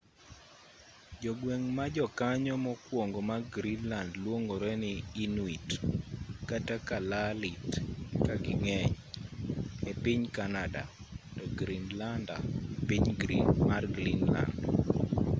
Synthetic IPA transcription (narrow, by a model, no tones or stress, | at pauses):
d͡ʒɔɡweŋmad͡ʒɔkaɲɔmɔkwoŋɡomaɡɾinlandlwoŋɡoɾɛnɪinwit | katakalalitkaɡɪŋɛɲ | epiɲkanada̰tɔɡɾinlanda̰epiɲɡɾḭnmarɡlinla̰nd